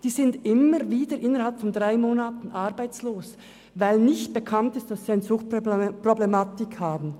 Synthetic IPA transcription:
d̥iːzɪndʔɪməviːdəɾʔɪnəɾhalpfɔndʁaɪmoːnaːtn̩ʔɑʁbaɪt͡sloːs | vaɪlnɪçt̚b̥ekʰantɪstd̥asːiːaɪnəzʊxt̚problɛmaːtɪkhaːbn̩

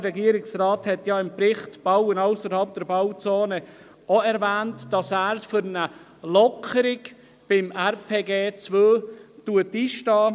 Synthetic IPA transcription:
ɾɛɡiəɾɪksrɑːthɛtjɑɪmpɾɪχtb̥awənɑʊsəɾhɑlp̚d̥ɛɾbawt͡soːnə | oɛɾvæːntd̥ɑsæːɾsfʏɾnə | lɔkʰəɾɪɡ | b̥ɪmæɾpʰeːɡeːt͡svøːtuətiʃtɑː

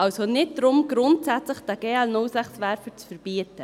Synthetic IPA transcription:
ʔɑlsonɪt̚d̥ɾʊmɡɾʊntsæt͡sləχd̥æɡ̥eːɛlnʊlsæχsʋæɾfət͡sfəɾb̥iətə

